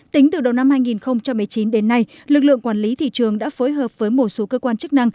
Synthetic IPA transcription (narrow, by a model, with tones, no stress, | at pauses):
t̪ï˨˦ŋ̟t̪ɨ˨˩ɗə˨˩wna˧mhaː˧jŋi˨˩nxə˧wŋ͡mt͡ɕa˧mːɨ˨˩jt͡ɕi˨˦nɗe˨˦nːa˧j | lɨ˨˩k̚lɨ̰˧˨əŋkwaː˧˩nli˨˦t̪ʰḭ˧˨t͡ɕɨ˨˩əŋɗa̰ː˧˥foː˨˦jɦəː˨˩p̚v̥əː˨˦jmo˨˩t̚so˨˦kəː˧kwaː˧nt͡ɕɨ˦˥k̚na˧ŋ